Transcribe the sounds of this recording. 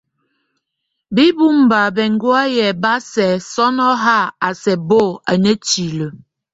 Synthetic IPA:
bi˦bu˦m˨ba˨bɛ˨ŋ˦ɡwa˦jɛ˨ba˦sɛ˨sɔ˦nɔ˦ɦa˦˨a˨sɛ˨bo˦˨a˨nə˦t͡ʃi˨lə˨

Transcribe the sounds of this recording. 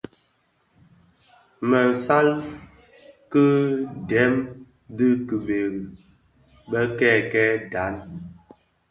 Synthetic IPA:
mə˨sa˦l | kɨ˦dɛ˨˦m | dɨ˦kɨ˨be˨ɣi˨ | ɓə˦kɛ˦˨kɛ˦da˨˦n

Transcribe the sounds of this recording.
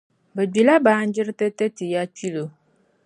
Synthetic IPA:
bɛ˨ɡ͡bi˨la˦baː˦n̩˦d͡ʒɪ˦ɾɨ˦tɛ˦tɛ˦tɨ˨ja˦t͡ʃi˦lo˨

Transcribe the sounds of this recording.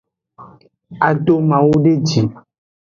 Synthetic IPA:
a˨ɖo˦mã˨wu˦ɖe˦d͡ʒi˨

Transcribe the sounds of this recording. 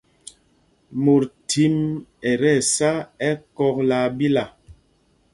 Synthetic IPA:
mo˨ɾtʰi˦mɛ˨ɾɛ˦˨sa˦ɛ˦kɔ˦k̚la˨bi˦la˨

